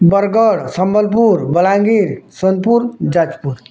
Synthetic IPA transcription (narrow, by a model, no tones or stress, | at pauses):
bəɾɡəɽsəmbəlpuɾbəlãŋɡiɾsonpuɾd͡ʒad͡ʒpuɾ